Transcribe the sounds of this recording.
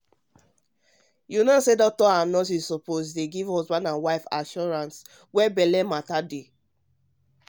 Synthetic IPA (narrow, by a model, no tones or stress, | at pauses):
junasedɔk̚tɔãnɔs̬issɔpozdeɡivɔsbãnãnwaɪfa̰ʃɔɹãns | wɛbɛlɛmatade